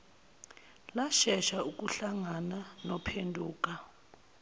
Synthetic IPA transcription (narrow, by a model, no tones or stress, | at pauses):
laʃɛʃauk̬ʼuɬaŋananɔpʰendʱuːk̬ʼa